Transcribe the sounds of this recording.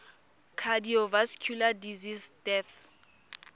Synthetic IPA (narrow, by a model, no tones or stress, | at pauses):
kʰadiɔvaskʰjuladizisd̥ɛθ